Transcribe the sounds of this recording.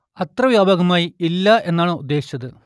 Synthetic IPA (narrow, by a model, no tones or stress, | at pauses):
ɐt̪rɐʋjaːbɐɣɐmaːjiilːɐʔe̞nːaːɳoːud̪ːe̞ːɕi̥t͡ɕːɐðɨ